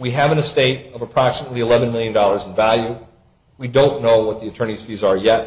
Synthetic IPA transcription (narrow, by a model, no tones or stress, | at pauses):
wiɨvɨ̃nɨsteɪɾʌvəpʰɹ̥ɑksmətˡliəlɛvɨ̃nmɪlˠjɨ̃ndɔlˠə˞zn̩vælˠjʉ | widõʊ̃nːoʊwʌt̪̚ðiɨtʰɜ̃˞ñiz̥fizə˞jɛt̚